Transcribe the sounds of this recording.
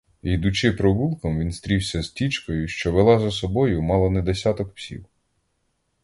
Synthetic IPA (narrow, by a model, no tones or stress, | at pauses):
id̪ʊt͡ʃɪpɾɔbulˠkɔmʋʲinst̪ɾʲiwsʲɐz̥tʲit͡ʃkɔjʊʃt͡ʃɔʋelˠɑzɐsɔbɔjʊmɑlˠɔnɛd̪esʲat̪ɔkpsʲḭw